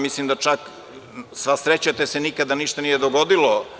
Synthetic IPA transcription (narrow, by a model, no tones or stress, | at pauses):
mislimd̪at͡ʃak | sʋasɾet͡ɕat̪esenikad̪aniʃt̪anijed̪oɡod̪ilo